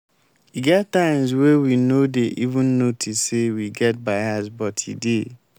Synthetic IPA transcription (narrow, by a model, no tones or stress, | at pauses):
iɡɛttːãɪ̃mswewinodeʔivũnːotʰissewiɡɛt̚baɪasbɔtʰḭde